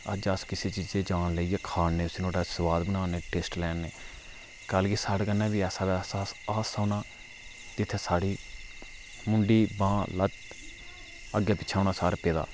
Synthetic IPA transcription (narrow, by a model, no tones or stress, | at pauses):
ə̰d͡ʒaskɪseːt͡ʃiːzẽːd͡ʒaːnleiːeːkʰaːnnẽːʊsiːnoːɖasəʋaːd̪bənaːneːʈeːsʈlɛːnːeː | kəlkiːsaːɽkənːãːbiːɛːsaːbɛːsaːaːsaːnaː | d͡ʒɪt̪ʰːeːsaːɽiː | mʊɳɖiːbãːlət̪ | əɡjaːpɪːt͡ʃʰaːʊnãːsaːɾpeːd̪a̰ː